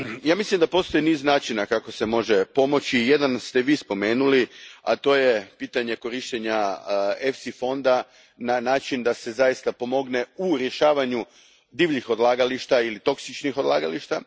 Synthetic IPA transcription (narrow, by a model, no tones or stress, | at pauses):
jaːmislˠimd̪apo̞st̪o̞jiniːznaːt͡ʃinakako̞se̞mo̞ʒe̞po̞mo̞t͡ɕije̞d̪anst̪eʋiːspo̞me̞ːnulia̰t̪o̞ːje̞piːt̪aɲe̞ko̞ɾiʃt̪eɲaefsifo̞nd̪a | nanaːt͡ʃind̪ase̞zajist̪apo̞mo̞ɡne̞uɾje̞ʃaːʋaɲu | d̪iːʋʎixo̞d̪lˠaːɡaliʃt̪ailit̪o̞ksit͡ʃnixo̞d̪lˠaːɡaliʃt̪a